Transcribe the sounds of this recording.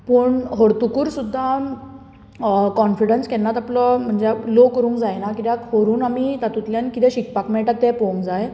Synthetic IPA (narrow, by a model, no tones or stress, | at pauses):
pəːɳɦoɾt̪ukuːɾsud̪ʱːa | kɔnfiɽənskɛnːat̪apləm̤əɳd͡zelokəɾũːŋkd͡zajnakit̪jakɦoɾuːnamit̪at̪ut̪ljankit̪ɛ̃ɕik̚pakmɛɭʈat̪ːɛpoŋkd͡zaj